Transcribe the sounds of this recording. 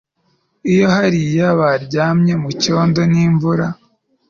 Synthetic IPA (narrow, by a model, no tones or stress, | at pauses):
ijo̞ɦaɾijaβaɾɟaːmɲe̞muco̞ːndo̞niːɱvuɾa